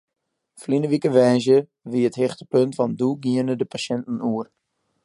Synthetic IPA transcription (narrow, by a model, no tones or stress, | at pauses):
flinəʋikəʋɛjzjə | ʋiəthɪχtəpøntfɔnduɡiənədəpaʃɛntn̩uər